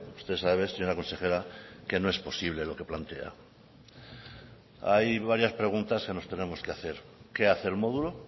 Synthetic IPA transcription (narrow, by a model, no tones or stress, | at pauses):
u̥st̪esaðeβeseɲoɾako̞nse̞xe̞ɾake̞noe̞spo̞siβ̞le̞lo̞ke̞plant̪ea̰ | ajβaɾjaspɾe̞ɣ̞unt̪aske̞no̞st̪e̞nẽ̞mo̞skeaθe̞ɾke̞aθe̞ːlmo̞ðulo̞